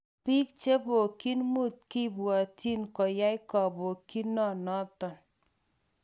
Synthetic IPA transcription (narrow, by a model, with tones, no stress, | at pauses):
pi˦k̚t͡ʃe˦bo˨ki˦nmu˦˨t̚ki˦˨bwɔ˨ti˦nkɔ˨ja˦i˦kɔ˨bo˨ki˦nːɔ˦˨nɔ˦tɔ˨n